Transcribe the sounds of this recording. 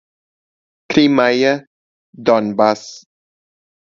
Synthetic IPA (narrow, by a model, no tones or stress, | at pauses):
kɾimajə | d̪ɔnbas